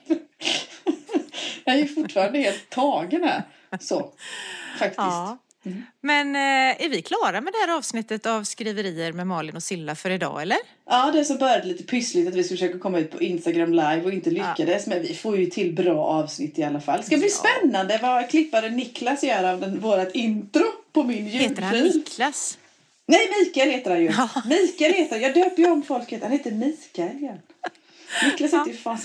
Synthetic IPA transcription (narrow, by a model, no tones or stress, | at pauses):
jɑɛɾjɵfʊʈtːfɑːɾand̪əheːlt̪ʰːɑːɡənɛ̰ | sɔ | fak̚t̪ɪs | m̩mɛnæɾvɪkʰlɑːɾamɛd̪ɛhæːɾɑːvsnɪt̪ːət̪avskɾiːvəɾiːəɾmɛmɑːɭɪnɔsɪlːafœɾɪd̪ɑ̰ːɛlːəɾ | ʔɑːd̪ɛʂɔmbœɾjad̪əliːt̪ə̥pʰʏslɪt̪at̪vɪskfəʂøːkakʰɔmːaʉ̟t̪pʰɔɪnst̪aɡɾamlajvɔɪnt̪əlʏkːad̪əsmɛnvɪfoːɾjɵt̪ʰɪlbɾɑːʔɑːvsnɪt̪ːɪalːafa̰lːskad̪bliːspɛnːand̪əvakʰlɪpːad̪ənɪklasɪjœːɾavd̪ɛnvoːɾat̪ɪnt̪ɾʊpʰɔmɪnjʉɡfiːls | nɛjmiːkaɛlheːt̪əɾhanjɵmiːkaɛlheːt̪əajɑːɡd̪øːpəɾjəɔmːfɔlkheːt̪hanheːt̪əɾmiːkaɛljɛɾ | nɪklasɪnt̪əjʏfa